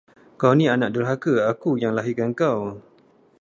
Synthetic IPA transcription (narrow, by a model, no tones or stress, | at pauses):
kawnĩanaʔdəɾɦakəakujaŋlaɦikankaw